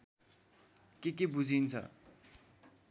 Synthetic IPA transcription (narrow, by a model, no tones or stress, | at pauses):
kekebud͡zʱint͡sʰʌ̰